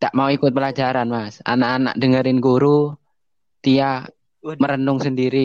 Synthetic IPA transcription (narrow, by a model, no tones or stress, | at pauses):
t̪aʔmauikʊt̪̚pəlad͡ʒaɾanmasa̰naʔːna̰ʔ̚dəŋəɾɪnɡuɾu | t̪ia | məɾənʊŋsəndiɾi